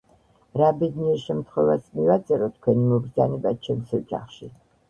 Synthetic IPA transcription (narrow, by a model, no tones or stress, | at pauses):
ɾabɛd̪niɛɾʃɛmt̪ʰχwɛvasmivat̪sʼɛɾɔt̪ʰkʰwɛnimɔbɾd̪zanɛbat͡ʃʰɛmsɔt͡ʃʼa̰χʃi